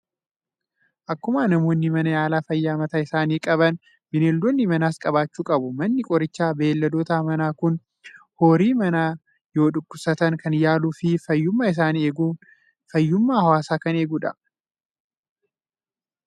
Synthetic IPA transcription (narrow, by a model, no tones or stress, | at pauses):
ʔɐkːʊmaːnɐmoːnːɪmɐnɐjaːlaːfɐjːaːmɐt̪ɐɪsaːniːkʼɐβɐn | bɪneːld̪onːɪmɐnaːskʼɐβaːt͡ʃːuːkʼɐbʊmɐnːɪkʼɔɾɪt͡ʃːaːbe̞ːlːɐd̪oːt̪aːmɐnaːkʊn | hoːɾiːmɐnaː | jo̞ːᶑʊkːʊsɐt̪ɐnkɐnjaːluːfɪfɐjːʊmːaːɪs̬aːnieːɡuː | fɐjːʊmːaːhɐwaːsaːkɐneːɡʊᶑɐ